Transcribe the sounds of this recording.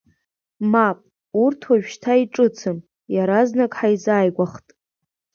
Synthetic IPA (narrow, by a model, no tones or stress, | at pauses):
mapʼ | urtʰwaʒᶣʃtʰaiʈ͡ʂʼɨt͡sʰɨm | jaɾaznakʼħaizaːjɡʷaχtʼ